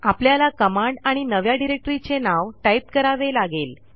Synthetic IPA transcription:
apljalakəmaɳɖaɽ̃inəʋjaɖiɾek̚ʈəɾit͡senaʋʈaip̚kəɾaʋelaɡel

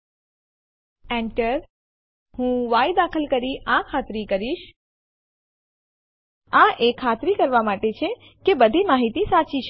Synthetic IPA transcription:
ɛ̃ɳʈəɾ | hũʋajd̪akʰəlkəɾiʔãkʰat̪ɾikəɾiʃ | ãʔekʰːat̪ɾikəɾʋamaʈet͡ʃʰe | kebəd̪ʱimaɦit̪isat͡ʃiʃʰ

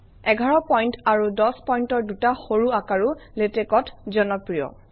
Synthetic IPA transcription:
ɛɡʱaɹɔpɔjntaɹudɔspɔjntɔɹdutaxoɹuakaɹuletekɔtzɔnɔpɹijɔ̰

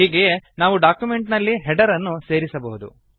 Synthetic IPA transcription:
ɦiːɡe̞naːʋuɖaːkjume̞ɳʈnɐlːiɦɛɖɐɾɐnːuse̞ːɾisɐbɐɦud̪ṵ

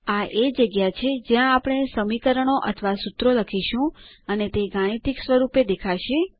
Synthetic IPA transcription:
aʔed͡ʒəɡjat͡ʃʰed͡ʒjãːpɽ̃esəmikəɾəɳ̃oʔə̰t̪ʰəʋasut̪ɾoləkʰiʃũ | ənet̪eɡaɽ̃it̪iksʋəɾuped̪ekʰaʃe

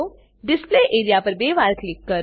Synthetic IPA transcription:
o | ɖɪspleːʔeːɾijapɐɾbeːʋaːɾklɪkːɐ

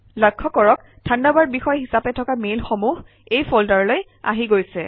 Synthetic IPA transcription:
lɔkʰːɔkɔɹɔk | tʰandabaɹ̚bixɔjɦisapɛtʰɔkamelxɔmuɦ | ejpʰɔldaɹɔloj | a̰ɦiɡojsɛ

